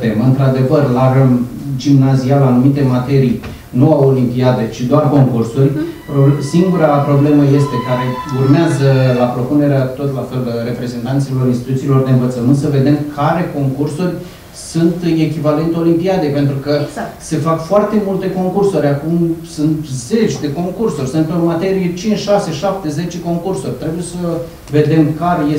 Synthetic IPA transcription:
t̪emɨnt̪ɾad̪e̞vərlarəm | d͡ʒimnazialːnumit̪e̞mat̪e̞ɾij | nuawolimpiad̪et͡ʃid̪oarko̞ŋkursurʲ | posiŋɡuɾapɾo̞ble̞məje̞st̪e̞kaɾe̞urmeazəlapɾo̞pune̞ɾeat̪o̞t̪lafe̞lre̞pɾe̞ze̞nt̪ant̪silo̞ɾinst̪it̪ut̪silo̞rd̪e̞ɨnvət̪səmɨnt̪səve̞d̪e̞mkʰaɾe̞ko̞ŋkursurʲ | sunt̪ekʲivale̞nt̪eolimpiad̪epe̞nt̪ɾukəse̞fakfoart̪e̞mult̪e̞ko̞ŋkursuɾʲakumsunt̪ze̞t͡ʃʲd̪e̞ko̞ŋkursurʲsɨnt̪omat̪e̞ɾijet͡ʃint͡ʃʃase̞ʃap̚t̪e̞ze̞t͡ʃe̞ko̞ŋkursurʲt̪ɾe̞buje̞sə | ve̞d̪e̞mkaɾeje

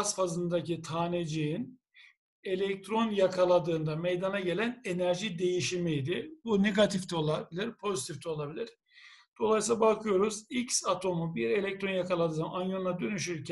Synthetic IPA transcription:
sfazɯnd̪acit̪ʰaːned͡ʒijin | e̞lʲɛc̚t̪ʰɾo̞njakʰalˠad̪ɯːnd̪ame̞jd̪anaɟe̞lʲæne̞næɾʒid̪e̞jiʃimijd̪ɪbune̞ɡat̪ʰift̪ʰio̞lˠabilʲiɾpʰo̞zit̪ʰift̪ʰio̞lˠabilʲiɾ̥ | d̪̥o̞lˠajsilabakʰɯjo̞ɾuzicsat̪ʰo̞mubiɾe̞lʲect̪ʰɾo̞njakʰalˠad̪ɯːnanjo̞nlˠad̪ø̞nyʃ̬yɾcʰ

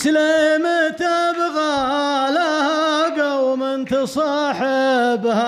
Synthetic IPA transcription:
slemɪt̪abɣalahaɡawmɪnt̪ɪsˤɑːħɪbha

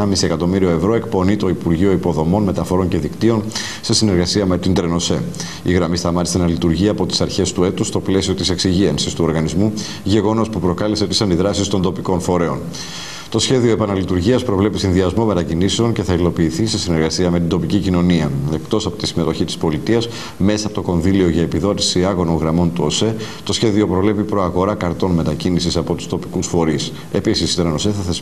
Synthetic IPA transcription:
ɐmisie̞kɐt̪o̞miɾio̞e̞vɾo̞e̞kpo̞nit̪o̞ipuɾʝio̞ipo̞ðo̞mo̞nme̞t̪ɐfo̞ɾo̞nce̞ðikt̪io̞n | sesine̞ɾɣɐsiɐme̞t̪ind̪ɾe̞no̞se̞ | iɣɾɐmist̪ɐmɐt̪isenɐlit̪uɾʝiɐpo̞t̪i̥sɐɾçe̞st̪ue̞t̪ust̪o̞ple̞sio̞t̪ise̞ksiʝiɐnsist̪uo̞ɾɣɐnizmu | ʝe̞ɣo̞no̞spupɾo̞kɐleseot̪isɐnd̪iðɾɐsist̪o̞nd̪o̞piko̞nfo̞ɾe̞o̞̰n | t̪o̞sçe̞ðio̞e̞pɐnɐlit̪uɾʝiɐspɾo̞vle̞pisinðiɐzmo̞me̞t̪ɐciniseo̞nce̞θɐilo̞piːθisesine̞ɾɣɐsiɐme̞t̪ind̪o̞picicino̞niɐe̞kt̪o̞sɐpo̞t̪isime̞t̪o̞çit̪i̥spo̞lit̪iɐs | me̞sɐpo̞t̪o̞ko̞nðilio̞ʝɐe̞piðo̞t̪i̥siɐɣo̞noŋɣɾɐmo̞nt̪uo̞se̞ | t̪o̞sçe̞ðio̞pɾo̞vle̞pipɾo̞ɐɣo̞ɾɐkɐɾt̪o̞nme̞t̪ɐcinisisɐpo̞t̪u̥st̪o̞pi̥kusfo̞ɾis | e̞pisist̪onenose̞θɐθes

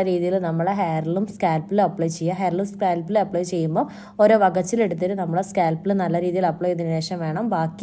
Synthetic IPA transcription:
ɐɾiːðijilnɐmːɐɭeɦeːrɐlumskaːlpːilɐpːɭojt͡ɕe̞jːaːɦeːɾlumskaːlpːileɐpːɭoːjt͡ɕe̞jːumbo̞ː | oɾoːʋɐɡɐt͡ɕːile̞ɽut̪ːiɾɨnɐmːɐɭeskaːlpːilnɐlːɐɾiːðijilɐpːɭoːjininɾeːʂɐmʋe̞ːɳɐmbaːkː

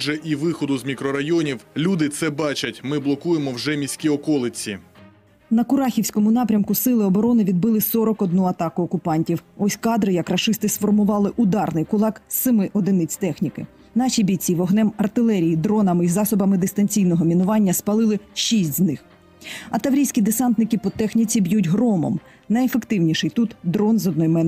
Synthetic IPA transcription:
ʒɛʔiʋɪxɔd̪ʊzmʲikɾɔɾɐjɔnʲiwlʲud̪ɪt̪sɛbɑt͡ʃɐtʲmɪblˠɔkujemɔwʒɛmʲisʲkʲiɔkɔlˠɪt͡sʲḭ | nɐkʊɾɑxʲiwsʲkɔmʊnɑpɾʲɐmkʊsɪlˠɪɔbɔɾɔnɪʋʲid̪̚bɪlˠɪsɔɾɔkɔd̪nuɐt̪ɑkʊːkʊpɑnʲtʲiwɔsʲkɑd̪ɾɪjɐkrɐʃɪst̪ɪsfɔrmʊʋɑlˠɪʔʊd̪ɑrnɪjkʊlˠɑksɪmɪʔɔd̪ɪnɪt͡sʲt̪ɛxnʲikɪ̰ | nɑʃibʲit͡sʲiʋɔɦnɛmɐrt̪ɪlˠɛɾʲijid̪ɾɔnɐmizɑsɔbɐmɪd̪ɪst̪ɐnʲt͡sʲijnɔɦɔmʲinʊʋɑnʲːɐspɐlˠɪlˠɪʃisʲtʲznɪx | ɐt̪ɐʋɾʲijsʲkʲid̪esɑnt̪nɪkɪpɔt̪ɛxnʲit͡sʲibʲjutʲɦɾɔmɔ̰m | nɐjefekt̪ɪwnʲiʃɪjt̪ut̪d̪ɾɔnzɔd̪nɔjmɛn

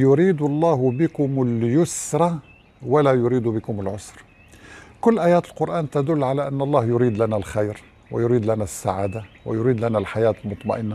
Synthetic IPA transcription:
jʊɾiːd̪ɑlˤːɑːhbəkʊməljʊsɾˤɑ | wəlæjʊɾiːd̪ubəkʊməlʕʊsɾˤ | kʊlːʔæjæːt̪əlqʊɾʔæːnt̪æd̪ʊlːʕalæʔənːɑlˤːɑhjʊɾiːd̪lænælxajɾ | wə̰jʊɾiːd̪lænæsːaʕaːd̪awə̰jʊɾiːd̪lænælħajæːt̪əlmʊt̪ˤmɑ̰ʔənːa

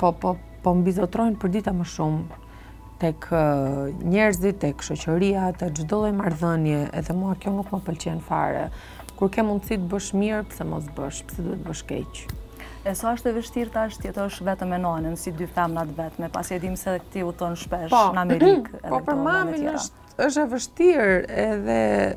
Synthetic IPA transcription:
pɔpɔ | pɔmbizɔt̪ɾɔjnpəɾd̪it̪aməʃum | t̪ɛkʰ | ɲɛɾzit̪ɛkʃɔt͡ɕəɾiat̪ɛkd͡ʒd̪ɔlˠɔjmaɾðənjɛʔɛ̰ðɛmuakjɔnukməpəlt͡ɕɛnfa̰ɾɛ̰ | kuɾkɛmund̪sit̪̚bəʃmiɾpə̥sɛmɔ̰s̬bə̰ʃpə̥sɛd̪uɛt̪bəʃkɛ̰t͡ɕ | ɛsɔəʃt̪ɛvəʃt̪iɾt̪aəʃt̪jɛt̪əəʃvɛt̪əmɛnɔnənsid̪yfɛmnat̪vɛt̪mɛpa̰sjɛd̪imsɛkt̪iut̪ɔnʃpɛʃɔnamɛɾikɛ̰pɔpəɾmaminə̰ʃt̪ | əʃ̬ɛvəʃt̪iɾɛðɛ

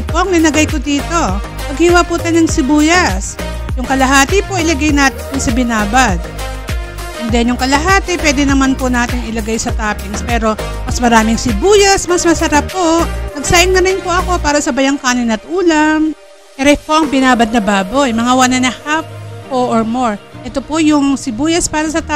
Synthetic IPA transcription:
poʔɐŋlɪlɐɡajkod̪iːt̪o̞ | pɐɡ̚hiwapʊt̪anɐŋsɪbuːjɐs | jʊŋkɐlɐɦaːt̪ɪpo̞ʔɪlɐɡajnaːt̪ɪnkʊŋsɐbɪnaːbad̪̚ | nd̪ɛnjʊŋkɐlɐɦaːt̪ɪpwɛːd̪ɛnɐmanpʊnaːt̪ɪŋɪlɐɡajsɐt̪aːpɪŋspɛːɾomɐsmɐɾaːmɪŋsɪbuːjɐsmɐsmɐsɐɾapːo̞nɐɡ̚saːʔɪŋnɐɾɪnpoʔɐko̞paːɾɐsɐbɐjɐŋkaːnɪnɐt̪̚ʔuːlɐm | ʔɛɾɛpo̞ʔɐŋbɪnaːbɐd̪̚nɐbaːbo̞jmɐŋawanɐnɐhap̚oʔoɹmoɹʔɛt̪o̞po̞jʊŋsɪbuːjɐspaːɾɐsɐt̪a

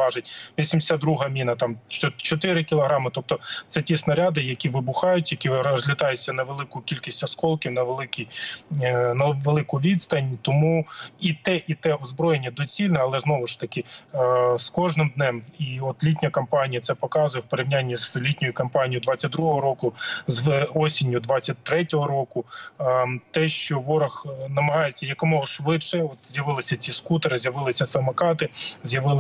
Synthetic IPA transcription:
ɑʒɪtʲʋʲisʲimd̪ʲsʲad̪d̪ɾuɦɐmʲinɐt̪ɑmt͡ʃt͡ʃɔt̪ɪɾɪkʲilˠɔɦɾɑmɪt̪ɔp̚t̪ɔt̪sɛtʲisnɐɾʲad̪ɪjɐkʲiʋɪbʊxɑjʊtʲjɐkʲizʲlʲɪt̪ɑjʊt͡sʲːɐnɐʋelˠɪkʊkʲilʲkʲisʲtʲɔskɔlˠkʲiwnɐʋelˠɪkʲij | nɐʋelˠɪkʊʋʲid̪st̪ɐnʲt̪ɔmuit̪ɛʔit̪ɛɔzbɾɔjenʲːɐd̪ɔt͡sʲilʲnɛɐlˠɛznɔʋʊʃt̪ɐkɪ | skɔʒnɪmd̪nɛmiɔt̪lʲit̬ʲnʲɐkɐmpɑnʲijɐt̪sɛpɔkɑzʊjɛwpeɾʲiwnʲanʲːizlʲitʲnʲɔjʊkɐmpɑnʲijʊd̪ʋɑtʲt͡sʲːɐt̚ʲd̪ɾuɦɔɦɔɾɔkʊzʋɔsʲinʲjʊd̪ʋɑt͡sʲːɐt̚ʲt̪ɾɛtʲɔɦɔɾɔkʊ | t̪ɛʃt͡ʃɔʋɔɾɐxnɐmɐɦɑjet͡sʲːɐjɐkɔmɔɦɔʃʋɪdʃɛɔt̪zʲjɐʋɪlˠɪsʲɐt͡sʲiskut̪ɐɾɪzʲjɐʋɪlˠɪsʲɐsɐmɐkɑt̪ɪzʲjɐʋɪlˠ

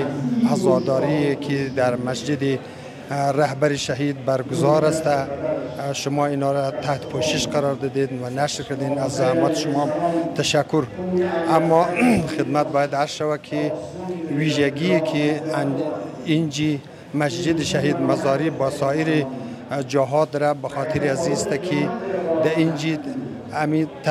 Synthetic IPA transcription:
azɑd̪ɑɾiekʰid̪aɾmasd͡ʒɪd̪i | ɾahbaɾiʃaɦid̪̚baɾɡʊzɑɾast̪a | ʃʊmɑinɑɾat̪ʰaht̪pʰoʃɪʃqaɾɑɾd̪ɪd̪ed̪wanaʃɾkaɾd̪enazːahamɔt̪ʃʊmɑt̪ʰaʃakːʊɾamːɔxɪd̪mat̪̚bɑjad̪aɾsʃawakʰi | wiʒaɡikʰiaind͡ʒi | masd͡ʒɪd̪iʃaɦid̪mazɑɾibɔsɑjiɾi | d͡ʒaɦɑd̪ɾabaxɔt̪ʰiɾiazist̪akʰid̪aind͡ʒi | amit̪

